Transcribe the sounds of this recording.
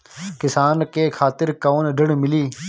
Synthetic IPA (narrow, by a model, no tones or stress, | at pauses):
kɪsaːnkeːkʰaːt̪ɪɾkəoːnɖəɽmɪliː